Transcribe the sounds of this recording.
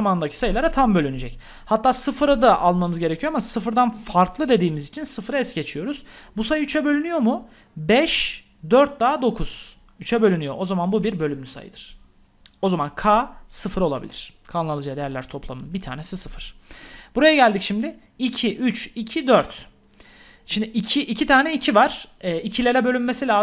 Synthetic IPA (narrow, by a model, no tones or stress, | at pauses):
amanɯnd̪acʰi̥sajɯlˠaɾat̪ʰambølʲynid͡ʒɛc | hat̪ʰːaːsɯfɯɾad̪aʔalˠmamɯzɟe̞ɾecʰijo̞amasɯfɯɾd̪anfaɾklˠɯd̪e̞d̪iːmizit͡ʃʰinsɯfɯɾaɛsɟe̞t͡ʃʰijo̞ɾuz̥busajɯyt͡ʃʰɛbø̞lʲynyjo̞mu | bɛʃ | d̪øɾt̪̚d̪aːd̪o̞kʰuz̥ | yt͡ʃʰɛbø̞lʲynyjo̞̰ʔo̞zamanbubiɾbø̞lʲymlʲysa̰jɯ̰d̪ɯɾ̥ | o̞zamankʰaːsɯfɯɾo̞lˠabḭlʲḭɾ̥kʰalˠalˠɯd͡ʒajad̪ejæɾlʲæ̰ɾt̪ʰo̞plˠa̰mɯnbit̪ʰa̰ːnesisɯfɯɾ̥b̥uɾajaɟælʲd̪icʃimd̪ɪ | icʰiʔyt͡ʃicʰid̪øɾt̪ | ʃimd̪ɪʔicʰiʔicʰit̪ʰaːnɛicʰivaɾ̥ɛːicʰilʲeɾɛbø̞lʲynmesilʲaː